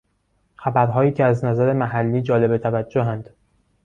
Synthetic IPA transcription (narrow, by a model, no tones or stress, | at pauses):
xæbæɾɦɒːjiːcʰeæznæzæɾe̞mæɦælːiːd͡ʒɒːle̞bet̪ʰævæd͡ʒːoɦænd̪̥